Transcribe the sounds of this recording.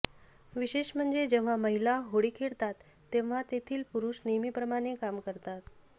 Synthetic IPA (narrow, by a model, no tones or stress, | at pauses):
ʋiɕeɕm̤əɳd͡zed͡ʑeʋ̤aməɦilaɦoɽikʰeɽt̪at̪ːeʋ̤at̪et̪ʰiːlpuɾuːɕnemiːpɾəmaɽ̃ekamkəɾt̪at̪